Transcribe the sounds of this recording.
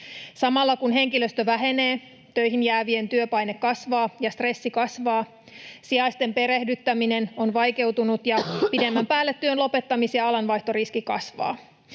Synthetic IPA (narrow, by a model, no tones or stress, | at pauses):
sɑmɑlːɑkunɦe̞ŋkiløst̪øʋæɦe̞neː | t̪øjɦinjæːʋie̞nt̪yøpɑjnekːɑsʋɑːjɑst̪re̞sːikɑsʋɑː | siɑjst̪empe̞ɾe̞hdyt̪ːæmine̞no̞nʋɑjke̞wt̪unut̪jɑpide̞mːæmpæːlːet̪ːyønlo̞pe̞t̪ːɑmisiɑɑlɑnʋɑjht̪oriskikɑ̰sʋɑ̰ː